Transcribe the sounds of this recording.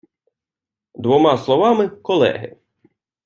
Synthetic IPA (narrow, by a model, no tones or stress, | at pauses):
d̪ʋɔmɑslˠɔʋɑmɪkɔlˠɛ̰ɦɪ̰